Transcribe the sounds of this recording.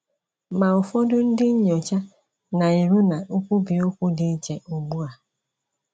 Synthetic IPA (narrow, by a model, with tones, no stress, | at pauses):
ma˨ʊ˨fɔ˦dʊ˦n̩˦dɪ˦ɲ̩˦ɲ˨ɔ˨t͡ʃa˦ | na˨i˨ɾu˦na˨ʊ˦kʷu˦bi˨o˦kʷu˦dɪ˦t͡ʃe˨ʔo˨ɡ͡bu˦a˨